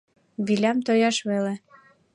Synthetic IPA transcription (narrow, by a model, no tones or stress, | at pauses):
βilʲæmt̪ojɑʃβele